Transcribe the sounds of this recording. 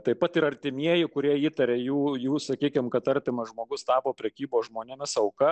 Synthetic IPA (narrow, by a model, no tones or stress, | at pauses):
t̪ɐɪpɐt̪ɪɾɐrʲt̪ʲɪmʲiɛjɪkʊɾʲiɛiːt̪ɐɾʲeːjuːjuːsɐkʲiːkʲɪmkɐt̪ɐɾʲt̪ʲɪmɐʒmoːɡʊst̪ɑːpoːpʲɾʲɛkʲiːboːsʒmoːnʲɛmʲɪsɐʊkɐ